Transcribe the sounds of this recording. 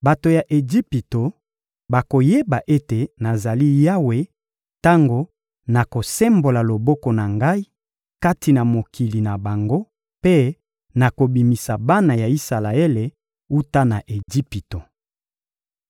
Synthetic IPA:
ba˨to˨ja˨ʔe˨ɡi˦pi˨to˨ | ba˨ko˨je˦ba˨ʔe˦te˨na˨za˨li˦ja˦we˨ | ta˦ŋɡo˨ | na˨ko˨sɛ˦mbo˨la˨lo˨bɔ˦kɔ˨na˨ŋɡa˦i˦ | ka˦ti˨na˨mo˨ki˨li˨na˨ba˨ŋɡo˦ | pe˦ | na˨ko˨bi˨mi˨sa˨ba˦na˨ja˨i˦sa˨la˨e˦le˨ | u˦ta˦na˨ʔe˨ɡi˦pi˨to˨

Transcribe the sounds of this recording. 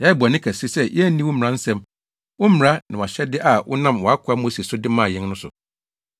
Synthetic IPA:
jɛ˨˦˨ba˨nɪ̃˦kʰæ˨si˦sɛ˦˨jɛ˦æ˦nĩ˦wʊ˦m̩˨ɾã˦n̩˦sɛ̃˦m | wʊ˦m˨ɾa˦nã˨a˨ɕɛ˦dɪ˦ʔa˨wʊ̰˦nã˦˨mwɔ˨a˦kʰʊ˨˦a˦mo˦se˨sʊ˦dɪ˦mãː˦˨jɪ̃˦nnʊ̃˦sʊ̰˨

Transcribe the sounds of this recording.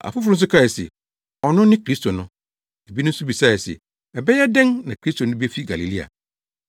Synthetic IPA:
a̰˨fʊ˦fʊ˦ʊ̃˦n̩˦sʊ˦kʰa˦˨ɛ˨sɛ̰˨ | ɔ˨nʊ̃˦nɪ̃˦kɾi˦stʰo˨nʊ̃˦ | e˨bi˦nʊ̃˦sʊ˦bi˨sa˦˨ɛ˨sɛ̰˨ | ɛ˨bɛ˦jɛ˦dɛ̃˦nnã˨kʰɾi˦sto˨nʊ̃˦bi˦e˦fi˦ɡa˨li˨li˦a̰˨

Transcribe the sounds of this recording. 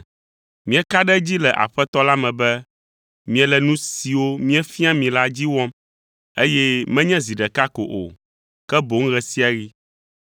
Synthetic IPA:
mĩ˦ɛ˨ka˦ɖɛ˦d͡ʑi˦lɛ˨ʔa̰˨ɸɛ˦t̪ɔ˦la˦mɛ̃˨bɛ˦ | mĩ˨ɛ˨lɛ˨nũ˦si˨wo˦mĩ˦ɛ˦fĩ˦a˦mĩ˨la˦d͡ʑi˦wɔ̃˦m | e˦jɛ˦mɛ̃˦ɲɛ̃˦zi˨ɖɛ˨ka˦ko̰˨ʔo̰˨ | kɛ˦bo˨ŋ̩˦ɣɛ˨si˦a˨ɣi˦

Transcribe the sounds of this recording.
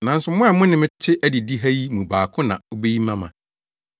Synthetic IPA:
nã˨n̩˦sʊ˨mʊ̃˦ɛ˨mʊ̃˦nɪ̃˦mɪ̃˦t͡ɕʰɪ˦ʔæ˦di˨di˦ɦæ˦ji˦mũ˨baː˨kʰʊ̃˦nã̰˨o˦be˦ji˦mã˦mã̰˨

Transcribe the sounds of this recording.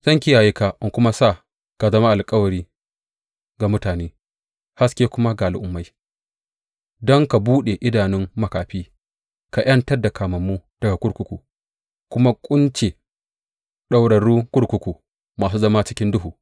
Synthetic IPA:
z̥ɐ˦ŋkʲɪ˦jaː˨ji˦ka˨ʔɪ˦kʷʊ˦ma˦saː˦˨ | ka˨zɐ˦ma˦ʔa˨lkʼɐ˦wɐ˨ɾiː˦ | ɡa˨mʊ˦taː˨neː˦ | ha˦skʲe˦kʷʊ˦ma˦ɡa˨a˨lʔʊ˨mːa˦j | dɔ˦ŋka˨buː˦ɗe˨ʔɪ˦daː˨nɪ˦mːɐ˨˦kaː˨ɸiː˦ | ka˨j̰ʔɐ˦ntɐ˦rda˨kaː˨mɐ˨mːu˦d̥ɐ˨ɡa˨kʷʊ˦ɽkʷʊ˦kʷu˨ | kʷʊ˦ma˦kʷʼʊ˦nt͡ʃe˨ | ɗa˦wɽɐ˨ɽuː˦kʷʊ˦ɽkʷʊ˦kʷu˨ | maː˨s̬uː˦zɐ˦ma˦t͡ʃɪ˦kʲɪ˦ndʊ˦ɦuː˨

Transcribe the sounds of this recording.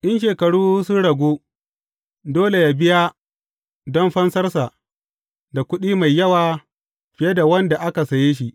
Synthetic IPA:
ʔɪ˦nʃeː˨kɐ˨ɽuː˦sʊ˦ɽɐ˨ɡʷoː˦ | doː˦le˨ja˨bɪ˦ja˦ | dɔ˦mɸɐ˦nsɐ˦rsa˨ʔ | da˨kʷʊ˦ɗiː˦ma˨jːɐ˦waː˨ | ɸɪ˨je˦da˨wɐ˦nda˨ʔa˦ka˨sɐ˨jeː˦ʃi˦ʔ

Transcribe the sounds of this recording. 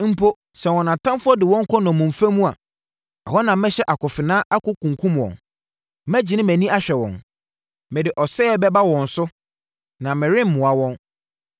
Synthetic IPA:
m̩˦pʰo˦ | sɛ̃˨wɔ̃˨nã˨tʰã˦mfʊ˦ɔ˦dɪ˨wɔ̃˦ŋ̩˦kʰɔ˦nɔ̃˨mʊ̃˨m̩˨fæ˦mũ˦a˨ | a̰˨hɔ̃˦nã˨mɛ̃˦ɕɛ˦ʔa˨kʰʊ˨fɪ˨nãː˦ʔa˦kʊ˦kʰũ˨ŋ˨kʰũ˦m˨ɔ̰̃˨n | mæ˦d͡ʑi˨nɪ̃˦mæ̃˨nĩ˦a˦ɕᶣɛ˨wɔ̰̃˨n | mɪ˨dɪ˨ʔɔ˨sɛ˦ɛ˦bɛ˦ba˦wɔ̃˨n̩˨sʊ˦ | nã˨mɪ̃˨ɾɪ̃˦m̩˦mʊ̃˨a˨wɔ̃˦n

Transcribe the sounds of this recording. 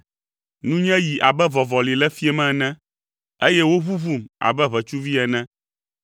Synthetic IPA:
nũ˦ɲɛ̃˦ji˨ʔa˨bɛ˦vɔ˨vɔ˨li˨lɛ˦fi˦ɛ˦mɛ̃˦˨nɛ̃˦ | e˦jɛ˦wo˦βu˦vu˦˨ma̰˨bɛ˦βɛ˨t͡ʃu˦vi˦ɛ˨nɛ̃˦

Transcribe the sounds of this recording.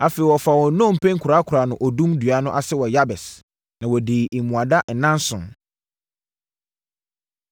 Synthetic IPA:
a˨fe˨i˨wɔ˨fa˨wɔ˨nõ˦˨m̩˨pʰɛ̃˦ŋkʰʊ˨ɾa˦kʰʊ˨ɾa˨nʊ̃˨ʔɔ˨dũ˦mdɥa˨˦nʊ̃˦ʔa˨sɪ˦wɔ˨ja˦bɛ˨s | nã˨wɔ˨diː˨i˨mũ˨a˨da˦n̩˨nã˦n˦sʊ̃˨n

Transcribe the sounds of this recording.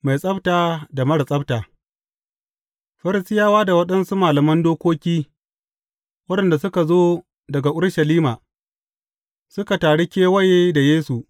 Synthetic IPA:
ma˨jsʼɐ˦btaː˨da˨mɐ˦ɽsʼɐ˦btaː˨ | ɸɐ˦ɾɪ˨sɪ˦jaː˦waː˦da˨wɐ˦ɗɐ˦nsu˦maː˨lɐ˨mɐ˦ndoː˦kʷoː˦kʲiː˦ | wɐ˦ɗɐ˨nda˨sʊ˦ka˨zoː˦ | dɐ˨ɡa˨ʔʊ˦ɾʃɐ˨liː˦ma˨ | sʊ˦ka˨taː˨ɽe˦kʲeː˦wɐ˦jeː˦da˨jeː˦su˨ʔ

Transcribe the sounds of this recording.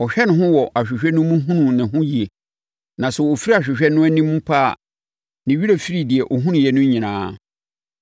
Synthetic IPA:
ɔ˨ɕᶣɛ˦nʊ̃˦ɦʊ̃˦wɔ˨ʔa˨ɕᶣɪ˨ɕᶣɛ˦nʊ̃˦mũ˦ɦũ˦nũ˨nɪ̃˨hʊ̃˦ji˨e˨ | nã˨sʊ˨o˨fi˦ɾi˦a˨ɕᶣɪ˨ɕᶣɛ˦nʊ̃˦æ˦nĩ˦mũ˦pʰa̰ː˦˨ | nɪ̃˨ɥi˦ɾe˨fi˦ɾi˨dɪ˨ɛ˨ʔo˨ɦũ˦nũ˨jɛ˨nʊ̃˦ɲĩ˨nãː˨˦

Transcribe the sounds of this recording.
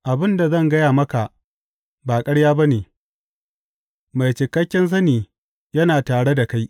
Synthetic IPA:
ʔa˨bɪ˦nda˨zɐ˦˨ŋɡɐ˦jaː˨mɐ˦ka˨ʔ | baː˨kʼɐ˦ɽjaː˦ba˦neː˨ | ma˨jt͡ʃɪ˨kːɐ˦kʲːɛ˦ns̬ɐ˦niː˨ | jɐ˦naː˨taː˨ɽe˦da˨ka˦j

